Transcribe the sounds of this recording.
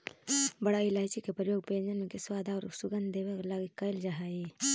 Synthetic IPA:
bəɽaːilaːjt͡ʃikepɾəjoːɡ̚pẽːnd͡ʒənmẽkeswaːd̪ʱaɔːɾsʊɡənd̪d̪eːʋaklaːɡikːɐjld͡ʒaɦaːi

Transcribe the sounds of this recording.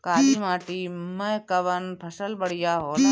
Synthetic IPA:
kaːliːmaːʈimə̃kɐʋənpʰɐsəlbəɽ̤ijaːɦoːlaː

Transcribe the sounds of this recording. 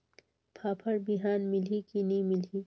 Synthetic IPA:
pʰaːpʰɐɾbiɦaːnmɪlikinĩmɪli

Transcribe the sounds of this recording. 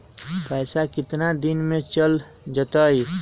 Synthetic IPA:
pəjsakɪt̪nad̪inmet͡ʃəl | d͡ʒət̪əj

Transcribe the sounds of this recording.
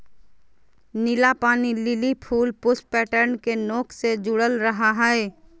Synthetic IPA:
nɪlapaːnilɪlipʰuːlpʊspɛːʈəɾnkenoːkʰsed͡ʒʊɽəlɾəɦaɦɛɛ

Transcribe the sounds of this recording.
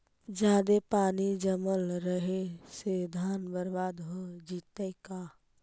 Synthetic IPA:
d͡ʒaːd̪epaːnid͡ʒəməlɾəɦesed̪ʱaːnbəɾbaːd̪ɦod͡ʒiːt̪əikaː

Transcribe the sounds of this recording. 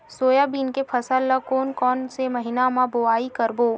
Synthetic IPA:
soːjabiːnkepʰɐsəlːakoːnkɔːnsemɐɦɪnamãboaːikɐɾboː

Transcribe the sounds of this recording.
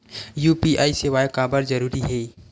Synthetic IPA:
juːpiʔaːiseʋaːjkaːbəɾd͡ʒɐɾuːɾiɦeː

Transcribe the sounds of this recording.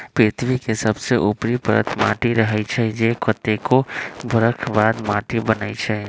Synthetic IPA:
pɪt̪ʰʋikesəbseʔupɾipəɾə̰t̪ma̰ːʈiɾəɦɛt͡ʃʰɛd͡ʒekət̪ːekobʱʊɾəkʰbaːd̪maːʈibənəit͡ʃʰɛ

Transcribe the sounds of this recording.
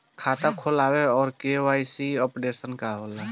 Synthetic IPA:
kʰaːt̪akʰoːlaːweɔːɾkewaːisiɔːpɽeːsənkaɦoːlaː

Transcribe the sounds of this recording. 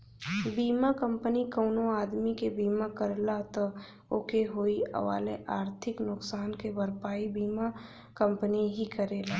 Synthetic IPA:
biːmakə̃mpənikəːnoaːd̪mikebiːmakəɾlat̪ɔ | okeɦoːiə̰ʋa̰ːleʔaːɾt̪ʰɪknʊksaːnkebəɾpaːibiːma | kə̃mpəniɦikəɾeːlaː

